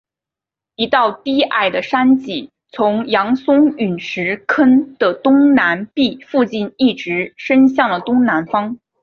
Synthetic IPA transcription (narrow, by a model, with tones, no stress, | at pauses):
i˧˥t̪ɑ˥˧ʊt̪i˥˩ʔa̰˥˩ɪd̪ə˩ʂa˥nt͡ɕi˨˩ | t͡sʰʊ˧˥ŋjɑ˧˥ŋsʊ˥ŋy˨˩nʂɻ̩˧˥kʰə˥nd̪̥ə˨t̪ʊ˥ŋna˧˥npi˥˧fu˥˧t͡ɕi˥˧ni˥˩ʈ͡ʂɻ̩˧˥ʂə˥nɕjɑ˥˩ŋlə˩t̪ʊ˥ŋna˧˥nfɑ˥ŋ